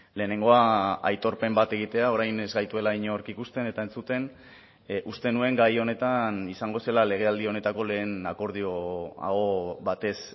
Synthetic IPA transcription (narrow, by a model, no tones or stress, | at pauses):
le̞ːne̞ŋɡo̞aa̰jt̪o̞ɾpe̞mbat̪e̞ɣ̞it̪e̞ao̞ɾajne̞zɡajt̪ue̞laiɲoɾkikust̪e̞ne̞t̪ae̞nt͡sut̪e̞n | ust̪e̞nue̞ŋɡajo̞ne̞t̪anisaŋɡo̞se̞lale̞ɣ̞e̞ald̪io̞ne̞t̪ako̞le̞ːnako̞ɾð̞ioa̰ɣo̞βat̪e̞s